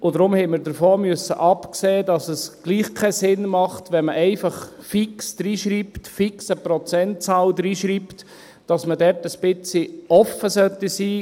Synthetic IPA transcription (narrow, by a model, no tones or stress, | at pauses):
ʊdɾʊmhɛɪməɾdəɾfoːmʏsːə̰ʔɑpkseːdɑsəsɡ̥liːχkʰɛsɪnmɑχtʋɛnməʔɛɪfɑχfiksd̥ɾiːʃɾiːptfiksəprɔt͡sɛnt̚t͡sɑːldɾiːʃɾiːpt | d̥ɑsmədɛɾtəsb̥ɪt͡siʔɔfːəsœtisiː